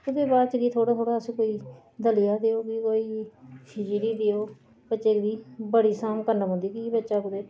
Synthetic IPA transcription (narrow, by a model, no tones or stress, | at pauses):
kʊd̪eːbaːɾt͡ʃəɡiːt̪ʰoːɽaːt̪ʰoːɽaːəsĩːkoːiː | d̪əlɪjaːd̪eːoːkikoːiːpʰɪd͡ʒɾiːd̪eoː | bətːʃeːkd̪iːbəɽiːsaːmkəɾnəɦʊ̃nd̪iːkibətːʃaːkʊd̪eː